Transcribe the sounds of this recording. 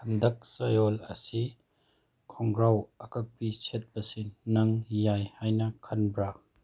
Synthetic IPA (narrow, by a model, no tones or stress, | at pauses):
ɐnd̪ɐk̚sɐjolɐ̰si | kʰɔŋɡɾawɐkɐk̚piset̚bɐsinːɐŋjajhajnɐkʰɐnbɾa